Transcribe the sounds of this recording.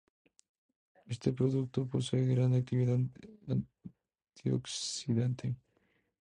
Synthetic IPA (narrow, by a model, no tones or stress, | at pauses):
est̪epɾoðukt̪oposeðɾãnd̪ak̚t̪iβiðaa | t̪ʰio̰ksiðent̪e